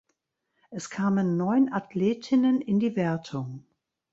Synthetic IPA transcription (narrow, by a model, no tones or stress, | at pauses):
ʔɛskʰaːmənːɔʏnʔatʰleːtʰɪnənɪndiːvɛɐtʰʊŋ